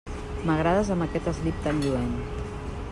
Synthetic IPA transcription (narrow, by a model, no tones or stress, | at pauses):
məɣ̞ɾaðəzəmbəkɛt̪əzlip̚t̪anʒuen